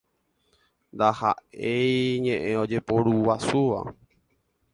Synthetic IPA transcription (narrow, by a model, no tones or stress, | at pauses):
nd̪aha̰ʔe̞jɲẽ̞ʔẽõ̞d͡ʒe̞po̞ɾuwasuʋa̰